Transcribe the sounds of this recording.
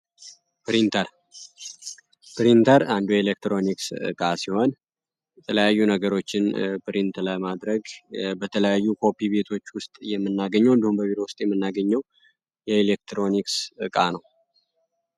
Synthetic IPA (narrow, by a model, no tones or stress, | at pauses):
pɾint̪ʰəɾ | pɾint̪ʰəɾand̪ujɛelek̚t̪ɾo̞niksɨ̰kʼasiho̞n | jɛt̪ʰələjajːunəɡəɾo̞t͡ʃːɪnpɾint̪ləmad̪ɾəɡbət̪ʰələjajːukʰo̞piβe̞t̪ʰo̞t͡ʃːwʊst̪ʼjɛmːɨnːaɡəɲːɛwɨnd̪əhumbəβiɾowʊst̪ʼjɛmːɨnːaɡəɲːɛw | jɛelek̚t̪ʰɾo̞niksɨkʼanəw